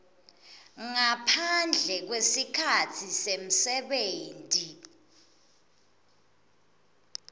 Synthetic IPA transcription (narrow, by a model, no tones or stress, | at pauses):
ŋapʰand͡ɮʱɛk̬wesikʰatʰisem̩sɛɓeːntʼi